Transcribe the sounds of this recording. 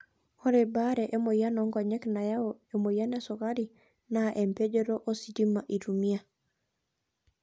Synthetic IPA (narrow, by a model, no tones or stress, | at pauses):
hoɾebaɾeʔemojanoŋɡoɲeknajaoemojanesokaɾi | naʔempeɟeɾoʔosidimːaʔitumia